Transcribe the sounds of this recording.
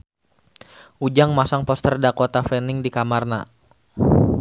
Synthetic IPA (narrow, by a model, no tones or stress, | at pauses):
ʔud͡ʒaŋmasaŋpɔst̪ərdakɔt̪afɛnɪŋdikamarna̰